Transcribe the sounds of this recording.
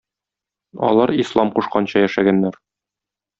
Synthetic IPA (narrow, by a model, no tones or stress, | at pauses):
ɒ̰lˠɑɾislˠɑmquʃqɑnɕɑjæʃæɡænːæɾ